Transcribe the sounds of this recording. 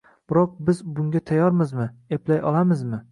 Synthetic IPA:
b̥ɪɾɒq̚bɪzbʊŋɡʲat̪ʰajɒɾmɪzmɪeplajʔɒlˠamɪzmɪ

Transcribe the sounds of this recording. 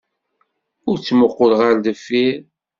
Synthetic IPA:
ʊɾt͡sːmʊqːʊlʁaɾd̪əfːiɾ

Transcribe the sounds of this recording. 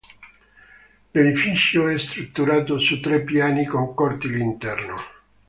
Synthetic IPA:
led̪ifit͡ʃjoɛst̪ɾut̪ːuɾaːt̪osut̪ːɾɛpːjaːnikoŋkɔrt̪ilint̪ɛrno̰

